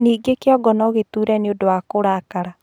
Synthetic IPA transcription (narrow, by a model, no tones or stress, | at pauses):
niːɡekeɔɡɔnɔɣetuɾɛneodowakoɾakaɾa